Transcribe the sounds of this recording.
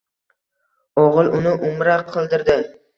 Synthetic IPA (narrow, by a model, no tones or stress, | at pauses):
oʁɨlˠʔʊnɪʔʊmɾaqʰːɨlˠd̪ɪɾd̪ɪ